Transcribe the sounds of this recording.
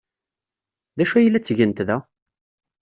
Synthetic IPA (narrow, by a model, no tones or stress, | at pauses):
ðæʃæjəlːæt͡sːʝənt̪ðæ